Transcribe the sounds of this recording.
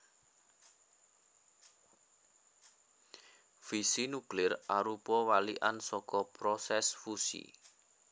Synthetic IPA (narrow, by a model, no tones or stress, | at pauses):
fisinuklɪrʔaɾupɔwaliʔansɔkɔpɾɔsɛsfusḭ